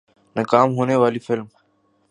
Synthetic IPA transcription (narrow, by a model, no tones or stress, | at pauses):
nəkaːmɦoːneːʋaːliːfɪlm